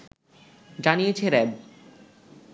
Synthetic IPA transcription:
d͡ʑanijet͡ɕʰeɾɛb

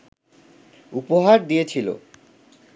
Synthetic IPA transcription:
upoɦaɾd̪ijet͡ɕʰilo̰

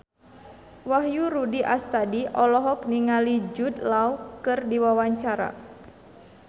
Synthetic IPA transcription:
waɦjuɾudiʔast̪adiʔɔlɔɦɔk̚niŋalid͡ʒut̪̚laukɨrdiwawaɲt͡ʃaɾa̰

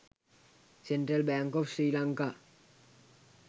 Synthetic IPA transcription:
senʈɾelbɛːŋkɔfsɾilaŋka

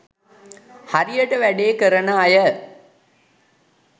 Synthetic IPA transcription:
haɾijəʈəʋæɖeːkəɾənəːjə

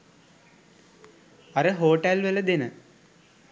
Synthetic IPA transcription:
ɐɾəɦoːʈɛlʋeləd̪enə

